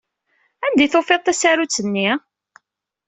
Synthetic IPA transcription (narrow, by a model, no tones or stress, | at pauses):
ænd̪iθofeðt̪ːæsæɾut͡sːənːi